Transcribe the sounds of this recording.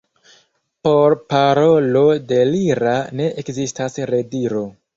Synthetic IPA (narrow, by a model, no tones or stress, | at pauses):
po̞ɾpaɾo̞lo̞de̞liɾane̞ʔekzistasɾe̞diɾo̞